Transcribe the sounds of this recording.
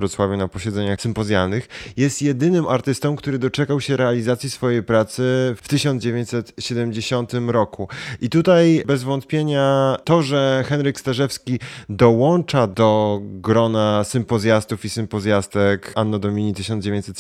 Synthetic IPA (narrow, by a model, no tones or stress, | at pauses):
ɾɔt̪swavʲunapɔɕɛd̪zɛɲaxsɘmpɔzʲjalnɘxjɛst̪jɛd̪ɘnɘmʔaɾt̪ɘst̪ɔ̃mkt̪uɾɘd̪ɔt͡ʂɛkawɕɛɾɛalʲizat̪sʲjisfɔjejpɾat̪sɘft̪ɘɕɔnd̪d͡ʑevʲjeɲt͡ɕʲsɛt̪ɕɛd̪ɛmd͡ʑeɕɔnt̪ɘmɾɔkuʔit̪ut̪ajbɛzvɔnt̪̚pʲjeɲat̪ɔʐɛxɛnɾɘkst̪aʐɛfskʲid̪ɔwɔnt͡ʂad̪ɔɡɾɔnasɘmpɔzʲjast̪ufisɘmpɔzʲjast̪ɛkanːɔd̪ɔmʲiɲit̪ɘɕɔnd͡ʑevjẽɲt͡ɕʲsɛt̪